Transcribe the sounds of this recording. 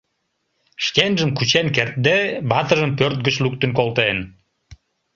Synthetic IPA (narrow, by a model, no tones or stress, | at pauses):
ʃkenʒəmkut͡ɕenkert̪̚d̪ebɑt̪ə̆ʒəmpøɾrt̪̚ɡət͡ɕluk̚t̪ə̆nkolt̪en